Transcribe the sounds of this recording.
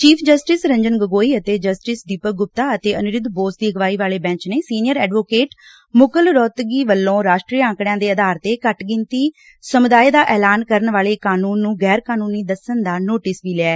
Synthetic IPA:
t͡ʃiːpʰd͡ʒəsʈɪsɾəɲd͡ʒənɡəɡoːiːət̪eːd͡ʒəsʈɪsd̪iːpəɡʊp̚t̪aːət̪eːənʊɾɪd̪boːsd̪iːəɡʋaːiːʋaːleːbɛ̃ːt͡ʃneːsiːnɪjəɾɛːɖʋoːkeːʈ | mʊkəlɾɔːt̪ɡiːʋəlːõːɾaːʃʈɾiːãːkɽjãːd̪eːəd̪aːɾt̪eːkəʈɡɪ̃nt̪iː | səmʊd̪aːeːd̪aːʔɛːlaːnkəɾənʋaːɭeːkaːnuːnːũːɡɛːɾkaːnuːniːd̪əsənd̪aːnoːʈɪsʋiːlɪɛː

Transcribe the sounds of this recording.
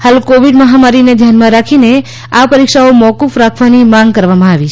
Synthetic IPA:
halkoʋiɖməɦamaɾined̪ʱjanmãɾakʰine | apəɾikʃaomɔkufɾakʰʋanimãŋɡkəɾʋamãaʋit͡ʃʰ

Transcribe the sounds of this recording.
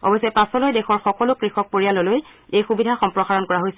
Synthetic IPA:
ɔ̰bɔjsɔjpasɔlojdɛxɔɹxɔkɔlʊkɹixɔk̚poɹijalɔloj | ejxubidʱaxɔmpɹɔxaɹɔnkɔɹaɦojsɛ

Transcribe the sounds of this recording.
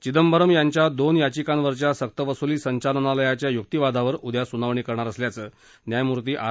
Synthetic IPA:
t͡ɕid̪əmbəɾəmjaɲt͡ɕjad̪onjat͡ɕikanʋəɾt͡ɕjasək̚t̪əʋəsuliːsəɲt͡ɕalənaləjat͡ɕjajuk̚t̪iʋad̪ʱaʋəɾud̪jasunaʋɳ̃iːkəɾɳaɾəsljat͡səː | njajmuɾt̪iːʔa

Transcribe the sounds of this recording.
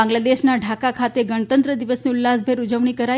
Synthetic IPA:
ãŋɡlad̪eʃnaɖʱakakʰat̪eɡəɳət̪ənt̪ɾəd̪iʋəsniʊlːasbʱeɾud͡ʒəʋɳikəɾa

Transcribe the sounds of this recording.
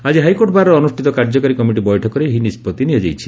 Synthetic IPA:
ad͡ʒiɦajkoɾʈɔbʱaɾɔɾɔnusʈʰit̪ɔkaɾd͡ʒɔkaɾikɔmiʈibɔjʈʰɔkɔɾeɦinispɔt̪iniad͡ʒajt͡ʃʰi̥

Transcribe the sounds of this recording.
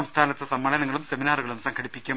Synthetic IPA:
ɐmst̪ʰaːnɐt̪ːɨsɐmːɐlɐnɐŋːɐɭumseminaːruɣɐɭumsɐŋkʰɐɽipːikʲːu

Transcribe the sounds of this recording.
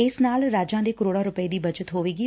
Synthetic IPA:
ɪsnaːlɾaːd͡ʒãːd̪eːkəɾoːɽaːɾʊpəeːd̪iːbəd͡ʒət̪ɦoːʋeːɡiː

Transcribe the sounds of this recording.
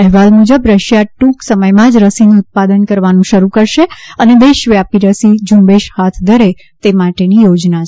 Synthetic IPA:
ɛɦʋalmud͡ʒəbɾəʃjaʈũksəməjmãd͡ʒɾəsinũʊt̪̚pad̪ənkəɾʋanũʃəɾukəɾʃeəned̪eʃʋjapiɾəsid͡ʒũmbeʃhat̪ʰd̪ʱəɾe | t̪emaʈenijod͡ʒna

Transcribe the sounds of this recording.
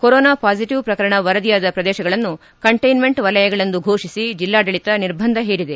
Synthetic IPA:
koɾɔːnaːpaːd͡ʒiʈiʋpɾɐkɐɾɐɳɐʋɐɾɐd̪ijaːd̪ɐpɾɐd̪ɛːʃɐɡɐɭɐnːu | kɐɳʈɐjnme̞ɳʈʋɐlɐjɐɡɐɭɐnd̪uɡʱoːʂisid͡ʒilːaːɖ̪ɐɭit̪ɐniɾbʱɐnd̪ʱɐɦeːɽid̪e

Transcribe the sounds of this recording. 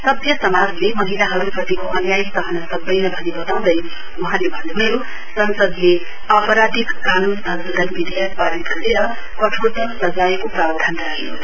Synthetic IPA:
sʌbjʌsʌmad͡zlemʌɦilaɦʌɾuprʌt̪ikoʔʌnjajst̪ʌɦʌnʌsʌbːʌjnʌbʱʌnibʌt̪aw̃d̪ʌj | uɦãlebʱʌnuɦjo | sʌnsʌd̪le | apʌɾad̪ʱikkanud̪ʱʌ | lʌbid̪ʱajʌk̚paɾit̪ɡʌɾeɾʌ | kʌʈʰot̪ʌsʌd͡zaekoprabd̪ʱanraɦe

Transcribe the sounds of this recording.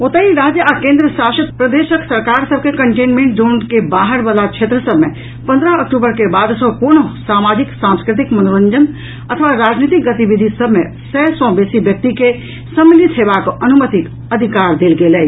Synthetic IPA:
ot̪əiɾaːd͡ʒjəʔakẽːnd̪ɾəsaːʃət̪pɾəd̪eʃəksəɾkaɾsəb̚ʱkekəɳʈẽːnmẽɳʈ̚d͡ʒoɳkebaːɦəɾbəlakt͡ʃʰeːt̪ɾəsəbʱmẽ | pə̃nd̪ɾəəkʈubəɾkebaːd̪sɔ̃kuɾñosaːmaːd͡ʒiksãmskɾɪt̪ikmənoɾə̃nd͡ʒən | ət̪ʰəʋaɾaːd͡ʒnit̪ik̚ɡət̪ibid̪ʱisəbʱmẽ | sɛsɔ̃beːsibjək̚t̪ike | səmənit̪ɦeʋakənumət̪ik | əd̪ʱikaːɾd̪eːlɡeːlɛː

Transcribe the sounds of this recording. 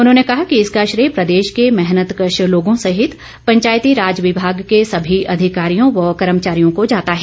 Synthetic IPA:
ʊnɦõːnekɐɦakiɪskaʃɾeːpɾɐd̪eːʃkemɛɦnət̪kəʃəloːɡõsɐɦɪt̪ | pɐ̃ɲt͡ʃaːjt̪iɾaːd͡ʒʋɪbʱaːɡkesɐbʱiʔɐd̪ʱɪkaːɾijõʋɔkɐɾəmt͡ʃaːɾijõkod͡ʒaːt̪aɦɛː

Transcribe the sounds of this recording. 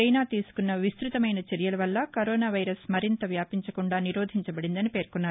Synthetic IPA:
ejnaːt̪iːsu̥kunːɐʋist̪ɾut̪ɐmɐjnɐt͡ʃɐɾjɐlɐʋɐlːɐkɐɾoːnaːʋɐjɾɐsmɐɾint̪ɐʋjaːpiɲt͡ʃɐkuɳɖaːniɾoːd̪ʱiɲt͡ʃɐbɐɽind̪ɐnipe̞ːɾkunːaːɾu

